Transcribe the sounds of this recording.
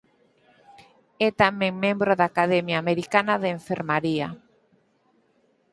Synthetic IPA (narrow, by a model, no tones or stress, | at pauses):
ɛt̪amẽŋmẽmbɾoðaːkaðɛmjaːmeɾikanaðeɱfeɾmaɾia̰